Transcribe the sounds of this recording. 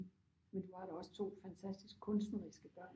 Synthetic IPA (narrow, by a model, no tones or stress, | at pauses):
mend̥uʋɑ̈ɾɑɒ̽sə̥t͡sʰo̝̰ːfænt͡sʰæsd̥isɡ̥̚kʰɔ̽nsd̥nəʁisɡ̥əb̥ɶɐ̰n